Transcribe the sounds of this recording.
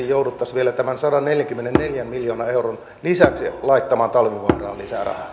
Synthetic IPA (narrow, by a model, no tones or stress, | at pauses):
jjoudut̪ːɑsʋielæt̪æmænsɑdɑnneljæŋkymːenenneljæmmiljoːnɑeuron | lisæksilɑit̪ːɑmɑːnt̪ɑlʋiʋɑnrɑ̰ːlisæ̰rɑ̰hɑ